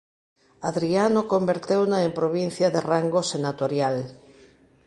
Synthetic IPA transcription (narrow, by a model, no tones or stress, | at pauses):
aðɾianokombeɾt̪ewnaempɾoβin̟θjaðeraŋɡosenat̪oɾjal